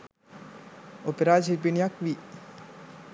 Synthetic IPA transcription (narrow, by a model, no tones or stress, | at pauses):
opeɾaːd͡ʒipinijakʋi